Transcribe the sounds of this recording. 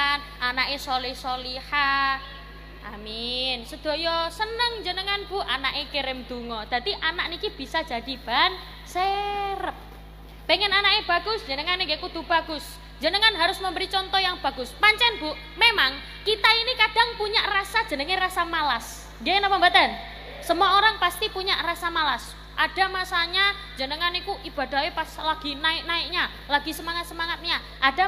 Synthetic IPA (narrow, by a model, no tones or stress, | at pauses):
n | ʔanaʔesolihsoliha | ʔa̰minsəd̪̥o̤jɔsənəŋd͡ʒənəŋanb̥ṳʔanaʔekeɾɪmd̪̥ṳŋɔd̪̥a̤t̪iʔanaʔnikib̥i̤sad͡ʒ̥a̤d̥i̤b̥a̤n | seɾəp̚ː | eŋɛnanakeb̥a̤ɡ̥ʊsd͡ʒənəŋaneŋɡekud̪ub̥a̤ɡʊs | ɲd͡ʒənəŋanɦaɾʊsməmbəɾit͡ʃɔnt̪ɔjaŋb̥a̤ɡ̥ʊspaɲt͡ʃɛnbuʔ | memaŋ | kit̪ainikad̥a̤ŋpuɲaʔrasḁd͡ʒ̥ə̤nəŋerasamalas | ŋɡenapambat̪an | səmuaoɾaŋpast̪ipuɲaʔrasamalas | ʔad̥a̤masaɲḁ | d͡ʒənəŋanikuʔib̥a̤da̤ɦepaslaɡ̥inaɪk̚naɪk̚ɲa | laɡi̤səmaŋat̪̚səmaŋat̪̚ɲa | ʔad̥a